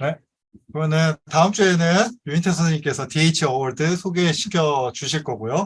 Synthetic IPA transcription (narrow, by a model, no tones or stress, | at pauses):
ne̞ | kɯʌnɯntaɯmt͡ɕ͈uenɯnjuintʰesʰʌɲimk͈e̞sʰʌteit͡ɕʰiʌwʌɭdɯsʰoɡeːɕʰi̥kʰjʌt͡ɕuɕʰiɭk͈ʌɡujo